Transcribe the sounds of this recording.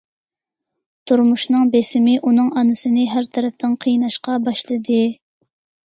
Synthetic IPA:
t̪ʰuɾmuʃnɨŋbesɪmɪʔunɨŋʔɑnɨsɨnɨɦæɾt̪ʰɛɾɛp̚t̪ʰɪnqʰəjnɑʃqɑbɑʃlˠɨd̪ɨ

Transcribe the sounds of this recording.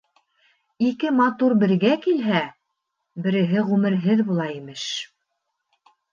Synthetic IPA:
ikɘmɑt̪uɾbɘ̆ɾɡækilɦæ | bɘ̆ɾɘ̆ɦɘʁʉmɘ̆ɾɦɘðbulˠɑimɘʃ

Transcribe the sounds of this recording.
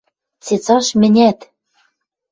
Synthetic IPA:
t͡set͡sɑʃmɘ̆nʲæt̪

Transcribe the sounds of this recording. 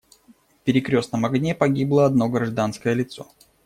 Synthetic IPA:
fpʲɪɾʲɪkɾʲo̞snəmɐɡnʲepɐɡʲiblˠəɐd̪no̞ɡɾɐʐd̪anskəjəlʲɪt̪so̞̰

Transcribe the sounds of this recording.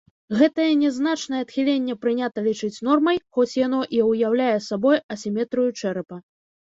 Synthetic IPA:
ɣɛt̪ɐjɛnʲɛzn̪at͡ʂnɐjɛɐt̪xʲilʲenʲːɛpɾɨnʲat̪ɐlʲit͡ʂɨt͡sʲn̪ɔrmɐjxɔt͡sʲjan̪ɔʔiwjawlʲajɛsabɔjɐsʲimʲɛt̪ɾɨjut͡ʂɛɾɨpɐ

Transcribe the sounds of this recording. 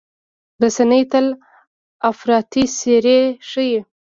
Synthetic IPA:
b̪əsanəjt̪əl | afɾɑt̪iseɾeʂəje

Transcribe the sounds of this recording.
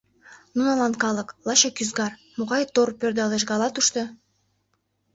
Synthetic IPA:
nunɑlˠɑnkɑlˠɤklˠɑɕɑkyzɡɑrmoʁɑjt̪orpʲørd̪ɑlˠeʃ̬ɡɑlˠɑt̪uʃt̪ɤ̆

